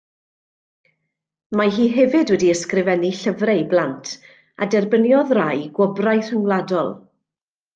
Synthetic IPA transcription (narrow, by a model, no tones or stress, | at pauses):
maɦiːɦɛvɨdwɛdiəskrɪvɛniɬəvrɛblˠantʰ | a̰dɛrbənjɔðrajɡwɔbrajr̥ɪwlˠadɔlˠ